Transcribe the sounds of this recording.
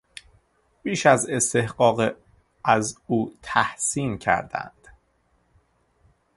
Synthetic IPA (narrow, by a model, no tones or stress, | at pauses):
b̥iːʃæze̞st̪e̞hɢɒːɣ | æzuːt̪ʰæhsiːncʰæ̰ɾd̪æ̰nd̪̥